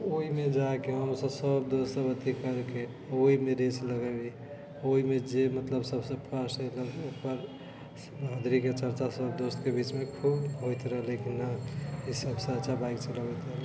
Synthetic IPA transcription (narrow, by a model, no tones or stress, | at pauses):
oimed͡ʒakeɦəmsə̃səbd̪ost̪əbət̪ikəɾke | oɦimeɾesləɡɛbi | oɦimed͡ʒemət̪ləbsəbsə̃bpʰəsɦələɡokʰpəɾ | ãd̪ɾiket͡ʃəɾt͡ʃasəbd̪ost̪kebit͡ʃmekʰubɦojt̪ɾəɦlikinaisəbsəɾt͡ʃabajkt͡ʃʰələbɛt̪əɦli